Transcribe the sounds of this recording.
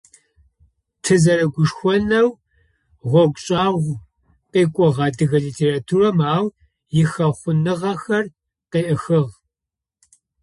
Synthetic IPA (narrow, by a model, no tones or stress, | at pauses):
tʰɨzɐɾɐɡʷʊʂxʷɔnɐw | ʁʷɔɡʷɕʼɑːʁʷ | qeːkʷʼɔʁɑːdɨɣɐɮiːtʰeːraːtʰuːrɐmaːw | jɪxɐχʷʊnɨʁɐxɐr | qeːʔɐxɨʁ